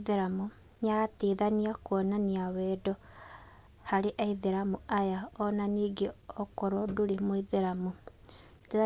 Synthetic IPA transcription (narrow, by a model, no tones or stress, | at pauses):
ðeɾamu | ɲaɾateːðaniakwɔnaniawɛːdɔ | haɾeʔɛiðeɾamuajaɔnaniːɡeɔkɔɾɔduɾemoiðeɾamu | tea